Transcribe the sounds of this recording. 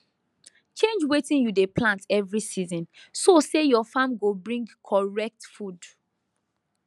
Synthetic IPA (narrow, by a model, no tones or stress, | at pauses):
t͡ʃẽnd͡ʒwetĩnjudeplãntɛvɹisizɔ̃nsosejɔfãmɡobɹĩŋɡkʰɔɹɛk̚tfud